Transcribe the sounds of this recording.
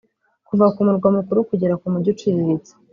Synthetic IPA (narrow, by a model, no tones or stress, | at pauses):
kuvakumuɾɡwamukuɾukuɟeɾakumuɟot͡ʃiβiɾit͡se̥